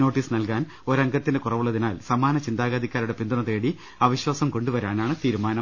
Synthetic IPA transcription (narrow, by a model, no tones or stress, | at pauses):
no̞ːʈːiːsnɐlkaːn | o̞ɾɐŋɡɐt̪ːindekurɐʋuɭːɐðinaːlsɐmaːnɐt͡ɕind̪aːɣaːd̪ikʲːaːɾuɽe̞pind̪uɳɐt̪eːɽi | ɐʋiɕwaːsɐmko̞ɳɖuʋɐɾaːnaːɳɨt̪iːɾumaːnɐ